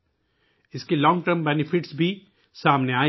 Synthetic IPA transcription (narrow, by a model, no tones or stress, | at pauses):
ɪskilɔ̃ːŋɡʈəɾmbɛːnɪfɪʈsbʱi | saːmneaː